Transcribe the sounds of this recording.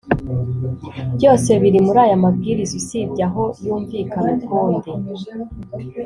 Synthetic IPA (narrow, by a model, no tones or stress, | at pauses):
bɟo̞ːse̞βiɾimuɾaːjamab̚ɡiːɾizisibɟaɦo̞juːɱviːkanaɡuːndi